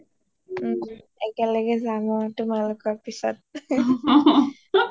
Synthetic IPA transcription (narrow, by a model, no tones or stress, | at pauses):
ɛkɛlɛɡɛzamɔatumalokɔɹpisɔ̰t̚